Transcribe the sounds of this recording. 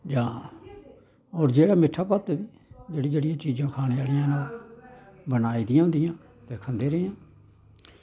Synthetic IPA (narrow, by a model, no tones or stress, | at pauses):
d͡ʒãː | oːɾd͡ʒeːɽaːmɪʈʰːaːpət̪biː | d͡ʒeːɽiːd͡ʒeːɽijãːt͡ʃiːd͡ʒãːkʰaːñeːaːlɪjãːnãː | bənaːiːd̪ɪjãːɦʊ̃nd̪ɪjãː | t̪eːkʰənd̪eːɾəeãː